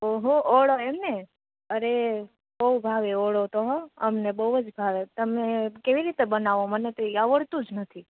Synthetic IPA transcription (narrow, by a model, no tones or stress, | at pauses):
oɦooɭoemne | əɾe | bəubʱaʋeoɭot̪oɦɔəmnebəuəd͡ʒbʱaʋet̪əmekeʋiɾit̪ebənaʋomənet̪oiaʋəɭt̪ũd͡ʒnət̪ʰi